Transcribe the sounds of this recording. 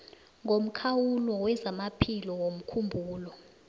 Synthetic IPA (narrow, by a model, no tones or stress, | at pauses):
ŋʱom̩kʰawulɔwɛzamapʰilɔwom̩kʰumbʱuːlɔ